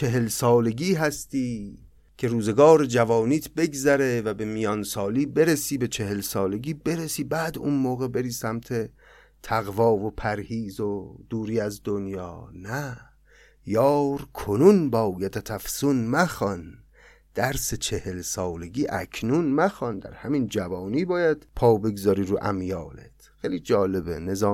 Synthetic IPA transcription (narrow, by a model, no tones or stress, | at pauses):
t͡ʃʰe̞ɦelsɒːle̞ɡiːɦæst̪iː | cʰe̞ɾuːze̞ɡɒːɾed͡ʒævɒːniːt̪ʰbe̞ɡzæɾevæbe̞mijɒnsɒːliːbe̞ɾesiːbe̞t͡ʃʰe̞he̞lsɒːle̞ɟiːbe̞ɾesiːbæːd̪ṵnmoːɣe̞be̞ɾiːsæmt̪ʰe̞ | t̪ʰæɣvɒːvopʰæɾhiːzod̪̥uːɾiːæzd̪onjɒːnæ | jɒːɾkʰonunbɒːwjæt̪ʰæt̪ʰæfsunmæxɒn | d̪̥æɾset͡ʃʰe̞helsɒːle̞ɡiːʔæ̰kʰnunmæxɒnd̪æ̰ɾhæmind͡ʒævɒːniːbɒːjæd̪̥pʰɒːbe̞ɡzɒːɾiːɾuːʔæ̰mjɒːlḛt̪ʰxejliːd͡ʒɒːle̞bḛne̞zɒː